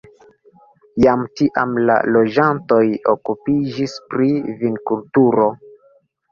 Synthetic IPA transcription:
jamtiʔa̰mla̰lo̞d͡ʒanto̞jo̞̰kupid͡ʒispɾivinkultuɾo̞

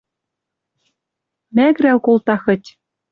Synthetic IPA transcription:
mæɣɾæwkolt̪ɑxɤ̆tʲ

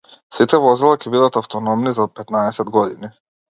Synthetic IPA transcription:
sit̪ɛvɔzilˠakʲɛbid̪at̪aft̪ɔnɔmnizapɛt̪naɛsɛd̪ɡɔd̪ini

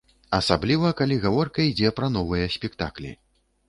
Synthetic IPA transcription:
ɐsablʲivɐkalʲiɣavɔrkɐid͡zʲɛpɾɐn̪ɔvɨjɐsʲpʲɛkt̪a̰klʲḭ

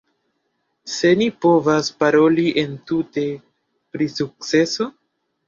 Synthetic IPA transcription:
se̞nipo̞vaspaɾo̞liʔe̞ntute̞ | pɾisuk̚t͡se̞so̞

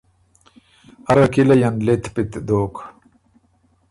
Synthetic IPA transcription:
ɐɾakilɐjanlet̪pit̪d̪oːk

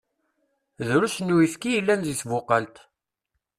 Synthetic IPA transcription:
ðɾusnːuiθkːijəlːænzisvʊqːɑlt̪

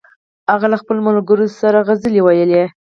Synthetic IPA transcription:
haɣalaxpəlmalɡəɾosaɾaɣazəlewajəle

